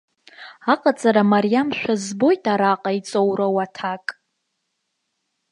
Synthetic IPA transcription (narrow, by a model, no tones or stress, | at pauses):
aqʼat͡sʼaɾamaɾijamʃᶣazbo̞jtʼaɾaqʼait͡sʼowɾawatʰakʼ